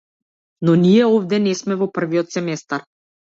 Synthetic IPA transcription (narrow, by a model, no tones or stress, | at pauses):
nɔniɛɔvd̪ɛnɛsmɛvɔpr̩viɔt̪sɛmɛst̪aɾ